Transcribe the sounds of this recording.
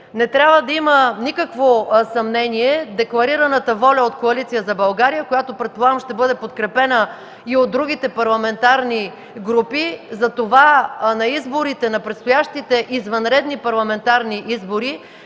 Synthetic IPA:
nɛt̪ɾʲabvəd̪ɐimənikəkvosɐmnɛniɛd̪ɛklˠɐɾiɾɐnət̪əvɔlʲɐot̪koɐlit̪sijəzɐbɐlˠɡaɾijəkojat̪opɾɛt̪̚plˠamʃt̪ɛbɤd̪ɛpot̪kɾɛpɛnə | iod̪̚ːɾuɡ̟it̪ɛpɐɾlˠɐmɛnt̪aɾni | ɡɾupizɐt̪ovanɐizboɾit̪ɛnɐpɾɛt̪st̪ʊjaʃt̪it̪ɛʔizvɐnɾɛd̪nipɐɾlˠɐmɛnt̪aɾniʔizboɾi

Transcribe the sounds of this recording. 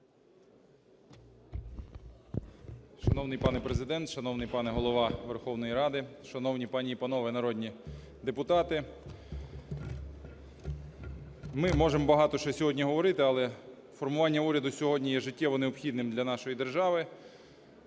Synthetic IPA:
ʃɐnɔwnɪjpɑnɛpɾezɪd̪ɛnt̪ʃɐnɔwnɪjpɑnɛɦɔlˠɔʋɑʋerxɔwnɔjiɾɑd̪ɪʃɐnɔwnʲipɑnʲiipɐnɔʋɛnɐɾɔd̪ʲnʲi | d̪epʊt̪ɑt̪ɪ | mɪmɔʒembɐɦɑt̪ɔʃt͡ʃɔsʲɔɦɔdʲnʲiɦɔʋɔɾɪt̪ɪɐlˠɛ | fɔrmʊʋɑnʲːɐuɾʲɐd̪ʊsʲɔɦɔdʲnʲijɛʒɪtʲːɛʋɔneɔpxʲid̪̚nɪmd̪ʲlʲɐnɑʃɔjid̪erʒɑʋɪ

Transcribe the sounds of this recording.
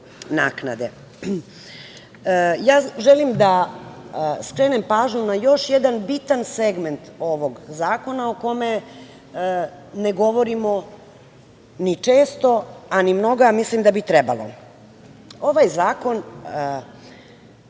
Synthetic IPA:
na̰ːknad̪e | jaːʒelimd̪a | skɾenempaːʒɲunajo̞ʃjed̪anbit̪anseɡment̪o̞ʋo̞ɡzaːko̞naoko̞me̞ | neɡo̞ʋo̞ɾimo | nit͡ʂeːst̪o̞animno̞ɡamislimd̪abit̪ɾɛba̰lo̰ | o̞ʋajzaːko̞n

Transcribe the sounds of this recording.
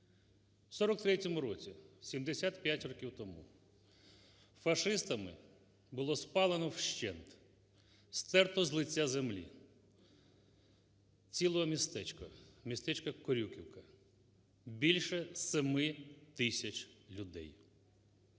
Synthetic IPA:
wsɔɾɔkt̪ɾɛtʲɔmʊɾɔt͡sʲisʲimd̪esʲat̪pʲjatʲɾɔkʲiwt̪ɔmu | fɐʃɪst̪ɐmɪ | bʊlˠɔspɑlˠenɔwʃt͡ʃɛnt̪ | st̪ɛrt̪ɔzlˠɪt͡sʲːazemlʲḭ | t͡sʲilˠɔɦɔmʲist̪ɛt͡ʃkɐmʲist̪ɛt͡ʃkɐkɔɾʲukʲiwkɐ | bʲilʲʃɛsemɪt̪ɪsʲɐt͡ʃlʲʊd̪ɛ̰j

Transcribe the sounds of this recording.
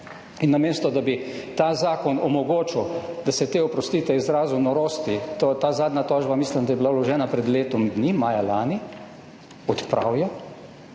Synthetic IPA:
inːameːst̪ɔd̪abit̪aːzaːkɔnɔmɔɡoːt͡ʃiwd̪asɛt̪eːɔpɾɔst̪iːt̪ɛizɾaːzunɔɾoːst̪it̪ot̪aːzaːd̪nat̪ɔːʒbamiːslimd̪ajɛbilawlɔʒɛːnapɾɛd̪leːt̪ɔmd̪nimaːjalaːni | ɔt̪pɾa̰ːwjɔ

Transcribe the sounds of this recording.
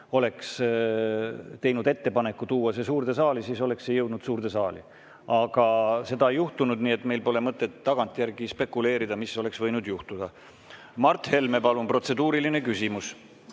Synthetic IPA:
o̞le̞ks | t̪e̞jnud̪e̞t̪ːe̞pɑne̞kːˑut̪uːɑse̞s̬uːrd̪e̞sɑːlisiːso̞le̞ksːejɤwd̪nud̪̥suːɾd̪̥e̞sɑːlḭ | ɑɡ̥ɑse̞d̪ɑejuht̪unud̪niːet̪ːˑme̞jlpo̞le̞mɤt̪ːˑet̪ːɑɡ̥ɑnt̪ˑjærɡ̥ispe̞kːule̞ːɾid̪̥ɑmiso̞le̞ksvɤ̞jnud̪juht̪ud̪̥ɑ | mɑrt̪ːˑhe̞lme̞pɑlumpro̞t̪se̞d̪uːɾiline̞kysimus

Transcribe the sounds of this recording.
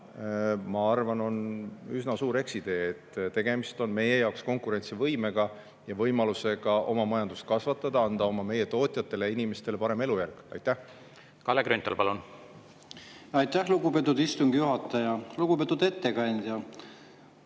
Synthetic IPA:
mɑɑrvɑno̞nysnɑsuːɾe̞ksid̪̥e̞ːet̪ːt̪e̞ɡ̥e̞mist̪o̞nme̞je̞jɑoksko̞ŋkuɾe̞nʲt̪sivɤjme̞ɡ̥ɑ | jɑvɤjmɑluse̞ɡ̥ɑʔo̞̰mɑmɑjɑnd̪ust̪kɑsvɑt̪ːˑɑd̪̥ɑɑnd̪̥ɑo̞mɑme̞je̞t̪o̞ːt̪ʲˑjɑt̪ːˑe̞le̞inʲime̞st̪e̞le̞pɑɾe̞me̞lujærɡ̥ɑ̰jt̪ːˑæh | kɑlːekɾynt̪ːolpɑlun | ɑjt̪ˑːæhluɡupet̪ːˑud̪ist̪uŋɡ̥juɦɑt̪ːˑɑjɑluɡ̥upet̪ːud̪e̞t̪ːekɑnʲd̪̥ʲjɑ

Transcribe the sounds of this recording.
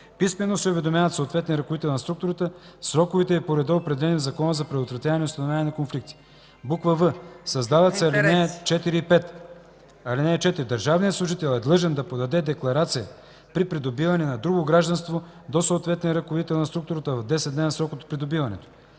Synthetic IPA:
pismɛnosɛovɛd̪omjavɐt̪soːt̪vɛt̪niəɾɐkovit̪ɛlˠnɐst̪ɾuk̚t̪ʊɾət̪əsɾɔkʊvit̪ɛipoɾɛd̪ɛopɾɛd̪ɛlɛnijəzɐkɔnəzɐpɾɛd̪ot̪vɾɐt̪ʲjavɐnɛʊst̪ɐnovʲlʲanʲjɛnɐkonflik̚t̪i̥ | bukvəvɤsɐzd̪avɐt̪sɛɐlinɛt͡ʃɛt̪iɾiːpɛt̪ | ɐlinɛːt͡ʃɛt̪iɾid̪əɾʒavnijət̪slˠʊʒit̪ɛlˠɛd̪lˠɤʒɛnd̪ɐpod̪ɐd̪ɛd̪ɛklˠɐɾat̪sijə | pɾipɾid̪obivɐnɛnɐd̪ɾuɡoɡɾaʒd̪ɐnst̪vo | d̪osoːt̪vɛt̪niəɾɐkovit̪ɛlˠnɐst̪ɾukt̪ʊɾət̪əvɐvd̪ɛsɛt̪d̪nɛnɐsɾɔkot̪pɾid̪obivɐnɛ̰t̪o̥

